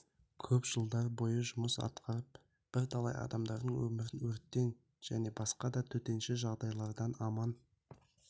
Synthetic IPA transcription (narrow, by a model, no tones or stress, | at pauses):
kʲʰɵpʒ̥əlˠd̪ɑɾbo̞jəʒʊməsɑ̰t̪qʰɑɾəp | b̥ɪɾt̪ʰɑlˠɑ̰jɑ̰d̪ɑmd̪ɑɾd̪əɴwɵ̰mɪɾɪnwɵɾt̪ːe̞ŋ | ʒ̥æne̞bɑsqɑd̪ɑt̪ʰɵt̪e̞nʃɪʒɑʁd̪ɑjlˠɑɾd̪ɑnɑmɑn